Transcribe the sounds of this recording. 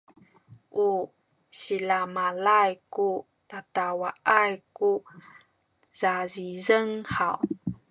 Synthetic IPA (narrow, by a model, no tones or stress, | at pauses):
ʔu | ɕilamalajku | tatawaajku | z̥azizəŋhaw